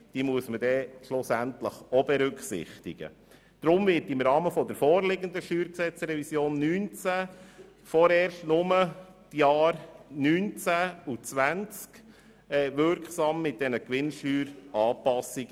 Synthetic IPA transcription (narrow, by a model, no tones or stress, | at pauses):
d̥iːmuəsmədɛʃlʊsæntləχɔbɛɾʏkχsɪ̰χt̪ɪɡ̥ə̰ | d̥ɾʊmvɪɾtɪmɾɑːməfɔd̪əɾfɔːɾlɪɡənd̪əʃyːɾksɛt͡sɾɛvisjoːnːyːnt͡sæ | fɔɾɛːɾstnʊmə | tjɑːɾnyːnt͡sæut͡sʋænt͡sk | ɛːʋʏɾkχsɑmːɪt̚d̥ɛnəkʋɪnʃyːɾɑːpɑsiɡ